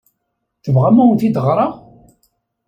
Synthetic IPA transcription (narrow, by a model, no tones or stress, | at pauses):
θəvʁæmæwnθid̪əʁɾˤɑ